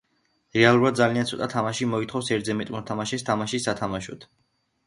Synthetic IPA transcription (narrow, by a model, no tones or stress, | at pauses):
ɾɛalˠuɾad̪d̪zaliant̪sʰɔt̪ʼat̪ʰamaʃimɔit̪χɔfsɛɾd̪zɛmɛt̪ʼmɔɾt̪ʰamaʃɛst̪ʰamaʃisːat̪ʰamaʃɔt̪ʰ